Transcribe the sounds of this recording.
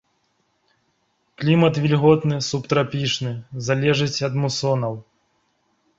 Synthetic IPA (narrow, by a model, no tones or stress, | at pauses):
klʲimɐt̪vʲilʲɣɔt̪nɨsupt̪ɾapʲiʂnɨzalʲɛʐɨt͡sʲɐd̪musɔnɐw